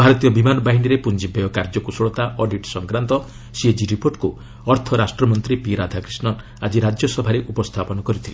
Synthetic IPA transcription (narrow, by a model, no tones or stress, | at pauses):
bʱaɾɔt̪ijɔbimanɔbaɦiniɾepund͡ʒibɔjɔkaɾd͡ʒɔkusoɭɔt̪aʔɔɖiʈsɔŋkɾant̪ɔ | sied͡ʒiɾipoɾʈku | ɔɾt̪ʰɔɾasʈɾɔmɔnt̪ɾipiɾad̪ʱakɾisnɔn | ad͡ʒiɾad͡ʒjɔsɔbʱaɾeʔupɔst̪ʰapɔnɔkɔɾit̪ʰile